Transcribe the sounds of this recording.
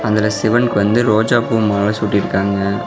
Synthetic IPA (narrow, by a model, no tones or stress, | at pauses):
ɐðɪlɐsɪʋɐnkɯʋɐnd̪ɯɾoːd͡ʒaːbuːmaːɐsuːʈːɪɾɯkːaːŋɡɐ